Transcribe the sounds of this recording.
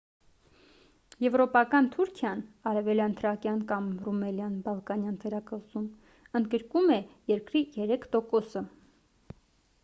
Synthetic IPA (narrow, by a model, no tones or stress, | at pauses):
jɛvɾɔpɑkɑnt̪ʰuɾkʰjɑnɑɾɛvɛljɑnt̪ʰəɾɑkjɑnkɑmrumɛljɑnbɑlˠkɑnjɑnt̪ʰɛɾɑkəʁzum | ənd̪̚ɡəɾkumɛjɛɾkɾijɛɾɛkʰt̪ɔkɔsə